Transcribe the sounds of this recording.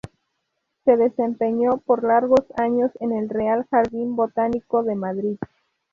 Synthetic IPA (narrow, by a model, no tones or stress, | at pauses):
se̞ðe̞se̞mpe̞ɲo̞po̞ɾlaɾɣo̞saɲo̞se̞ne̞lre̞alxaɾðimbo̞t̪aniko̞ðe̞maðɾið